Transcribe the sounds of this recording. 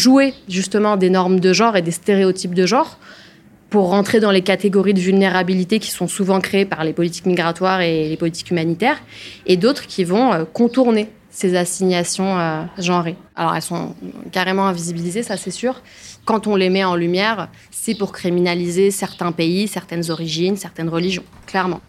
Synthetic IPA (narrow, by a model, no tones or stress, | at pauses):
ʒueʒyst̪əmɑ̃d̪enɔʁmd̪əʒɑ̃ʁed̪est̪eʁeot̪ip̚d̪əʒɑ̃ʁ | puʁːɑ̃t̪χed̪ɑ̃lekat̪eɡɔʁid̪əvylneʁabilit̪ekʲi̥sɔ̃suvɑ̃kχepaʁlepɔlit̪i̥kmiɡʁat̪waʁelepɔlit̪i̥kymanit̪ɛːʁed̪ot̪χkʲivɔ̃økɔ̃t̪uʁne | sezasiɲjasjɔ̃øʒɑ̃ʁea̰lɔ̰ʁɛ̰lsɔ̰̃kaʁemɑ̃ɛ̃vizibilizesasɛsyːʁ | kɑ̃t̪ɔ̃lemɛɑ̃lymjɛʁ | sɛpuʁkχiminalizesɛʁt̪ɛ̃peisɛʁt̪ɛnzɔʁiʒinsɛʁt̪ɛnʁəliʒjɔ̃ | klɛʁmɑ̃